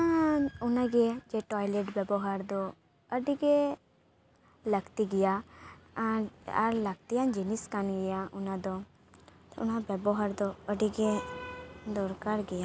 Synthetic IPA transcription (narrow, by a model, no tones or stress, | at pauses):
aunaɡɛd͡ʒɛʈɔjleʈbɛbɔɦaɾd̪ɔ | əɖiɡɛ | ləɡt̪iɡija | aɾləɡ̚t̪iand͡ʒiniskanɡɛjaunad̪ɔ | t̪ṵnabɛbɔɦaɾd̪ɔəɖiɡɛ | d̪ɔɾkaɾɡɛja